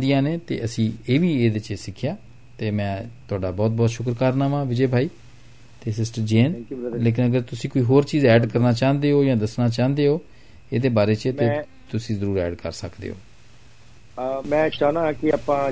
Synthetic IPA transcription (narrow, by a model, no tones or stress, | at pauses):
d̪ɪjãːneːt̪ḛːʔəsĩːeːʋiːeːd̪eːt͡ʃeːsɪkʰːjaː | t̪eːmɛ̃ːt̪ʊaːɖaːbɔːt̪̚bɔːt̪ʃʊkɾkaɾnãːʋãːʋɪd͡ʒeːbʱaːiː | t̪eːsɪsʈəɾd͡ʒeːnleːk̬ɪnəɡəɾt̪ʊsĩːkoːiːɦoːɾt͡ʃiːzɛːɖkəɾnaːt͡ʃaːnd̪eːɦoːd͡ʒãːd̪əsnaːt͡ʃãːnd̪eːɦoː | eːd̪eːbaːɾeːt͡ʃt̪eː | t̪ʊsĩːzəɾuːɾɛ̰ːɖkə̰ɾsəkd̪ḛːo̰ː | mɛ̃ːt͡ʃaːnãːkɪaːpãː